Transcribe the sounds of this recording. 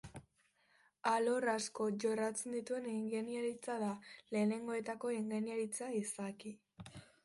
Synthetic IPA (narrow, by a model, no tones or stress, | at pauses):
alo̞rasko̞ʝo̞rat͡se̞nd̪it̪ue̞niŋɡeniaɾit͡saðale̞ːne̞ŋɡo̞e̞t̪ako̞iŋɡeniaɾit͡saisaki